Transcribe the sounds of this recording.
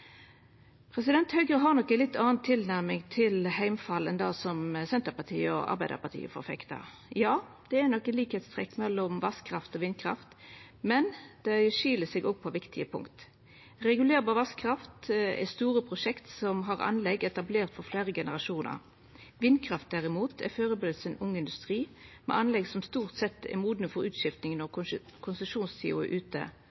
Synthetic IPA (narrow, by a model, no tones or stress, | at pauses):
pʰɾɛsɪd̪ɛnt̪hœʏɡəɦɑʁnɔkːəlɪt̪ːɑːnt̪ʰːɪlnæɾmɪŋt̪ʰɪlhæɪmfɑlɛnd̪ɑːsɔmsɛnt̪əpɑt̪ʰḭːəɔ̰ʔɑ̰ɾbæɪd̪ə̰pɑt̪ʰḭːə̰fɔ̰ɾfɛ̰kt̪ɑ̰ | jɑː | d̪̥ɛænɔkːəliːkhɛt̪st̪ʁɛːkːmɛlːɔmʋɑskʰːɾɑft̪ɔʋɪnkʰɾɑ̰ft̪ | mɛnd̪̥ɛʃiːləsɛɡɔːɡ̚pʰɔʋɪkt̪ʰɪəpʰʊ̰ŋkt̪ | ɾɛɡʉleːɾbɑːɾʋɑskkʰːɾɑft̪ɛ̰st̪uːɾəpʰʁʊʂɛkt̪sɔmɦɑʁɑ̰nlɛɡɛt̪ɑbleːɾt̪fɔɾfleːɾəɡɛnəʁɑʃuːnə̰ɾ | ʋɪnd̪kʰɾɑft̪̚d̪æɾɪmuːt̪ʰæ̰føːɾəbɪd̪lsənʊŋːəɪnd̪ʉst̪ʁiːmɛ̰ʔɑnlɛɡsɔmst̪uːʁt̪sɛt̪ːɛ̰muːd̪nəfɔɾʉːt̪ʃɪft̪nɪŋnɔʁkʰʊnsəʃuːnst̪ʰḭːʊ̰ə̰ʔʉːt̪ə̰